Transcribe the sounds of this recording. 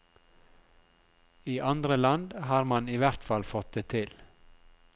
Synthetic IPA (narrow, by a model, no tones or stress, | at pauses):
iːʔɑnd̪ɾəlɑnd̪hɑːɾmɑniːʋæɾt̪fɑlfɔt̪̚d̪eːt̪ʰɪl